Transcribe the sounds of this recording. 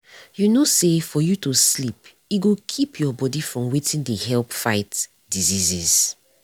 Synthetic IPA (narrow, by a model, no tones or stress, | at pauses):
junosefɔjutuslip | iɡokʰipʰjɔbɔdifɹɔ̃mwetʰĩndeɦɛlpfaɪt | diziziz̥